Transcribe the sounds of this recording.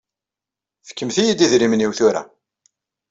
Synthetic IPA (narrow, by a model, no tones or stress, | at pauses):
fə̥kːəmθijid̪iðɾimniwθuɾa̰